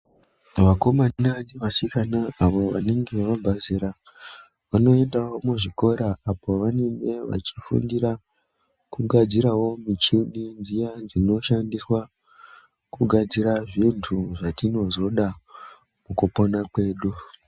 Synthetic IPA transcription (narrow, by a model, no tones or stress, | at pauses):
ʋako̞mananiʋasikanaaʋo̞ʋa̰neŋɡe̞ʋabʱaziɾa | ʋano̞e̞ndawo̞muʐiko̞ɾaapo̞ʋanene̞ʋa̰t͡ʃifṵndiɾa | kuɡʱad͡ziɾawo̞mit͡ʃiɗind͡zijad͡zino̞ʃandiswa | kuɡʱad͡ziɾaʐintʰuʐatino̞zo̞ɗa | mukupo̞nakwe̞ːɗu